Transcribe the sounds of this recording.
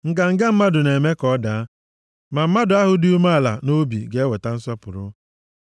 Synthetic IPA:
ŋ̩˨ka˨ŋ̩˨ɡe˦m̩˦ma˦dʊ˨ne˨me˦kɔ˦da˨˦ | ma˨m̩˦ma˦dʊ˨a˦ɦʊ˦du˦u˦ma˦a˦˨la̰˨no˦bi˨ɡe˦e˦we˨ta˦n̩˦sɔ˦pʊ˨ɾʊ̰˦

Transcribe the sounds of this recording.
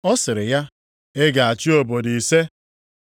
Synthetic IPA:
ɔ˦sɪ˨ɾɪ˨ja˦ | e˦ɡa˨a˨t͡ʃi˦o˨bo˨di˨i˨se˦

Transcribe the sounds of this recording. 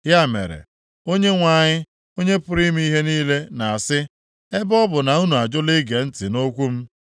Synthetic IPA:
ja˦˨mḛ˨ɾḛ˨ | o˦ɲe˦ŋʷa˨ɲɪ˦ | o˦ɲe˦pʊ˦ɾi˦m˦i˦ɦe˦niː˦le˦na˨a˨sɪ˦ | e˦bɔ˦bʊ˨na˨u˦nu˨a˨d͡ʒʊ˦li˦ɡe˨n̩˦tɪ˨no˦kʷu˦m̩˦

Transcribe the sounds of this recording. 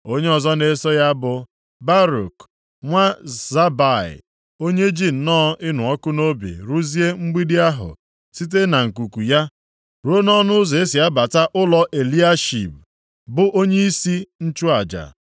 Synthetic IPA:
o˦ɲe˦ɔ˨zɔ˦ne˨sɔ˦ja˦bʊ˨ | ba˦ɾṵ˨k | ŋʷa˦za˦ba˨ɪ̰˨ | o˦ɲe˦d͡ʒi˦n̩˨nɔː˦ɪ˦nʊ˨ɔ˦kʊ˦no˦bḭ˨ɾu˦zi˦e˦ŋ͡m̩˦ɡ͡bi˦di˦a˦ɦʊ̰˨ | si˦t̬e˦na˨ŋ̩˨ku˨ku˨ja˦ | ɾo˦nɔ˦nʊ˦ze˦si˨a˦ba˨ta˦ʔʊ˦lɔ˨ʔe˨li˦a˦ʃḭ˨p̚ | bʊ˨ʔo˦ɲe˦i˦si˦n̩˦t͡ʃu˦a˨d͡ʒa̰˨

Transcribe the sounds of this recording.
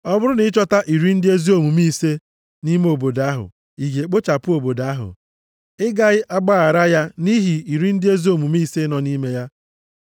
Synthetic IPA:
ɔ˦bʊ˦ɾʊ˦nɪ˦t͡ʃɔ˦ta˦ʔi˨ɾi˦n̩˦dɪ˦e˦zi˦o˦˨mu˨mi˦se˦ | ni˦me˦o˨bo˨da˨˦ɦʊ̰˨ | i˨ɡe˨k͡po˦t͡ʃa˨pʊ˦o˨bo˨da˨˦a˦ɦʊ̰˨ | ɪ˦ɡa˦˨ɣɪ˦ʔa˦ɡ͡ba˦a˨ɾa˦ja˦ni˦ɦi˨i˨ɾi˦n̩˦dɪ˦e˦zi˦o˨mu˨mi˦se˦nɔ˨ni˦me˦ja˦

